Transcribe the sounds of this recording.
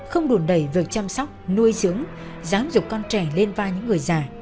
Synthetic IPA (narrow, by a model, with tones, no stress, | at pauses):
xə˧wŋ͡mɗu˨˧˩nɗə˧˩jvi˨˩ək̚t͡ɕa˧msɔ˦˥wk͡p̚nu˧əjzɨ˨˦əŋ | zaː˨˦mzʊ˨˩k͡p̚kɔ˧nt͡ɕɛ˧˩le˧nvaː˧ɲɨ̰˧˥ŋːɨ˨˩əjzaː˨˩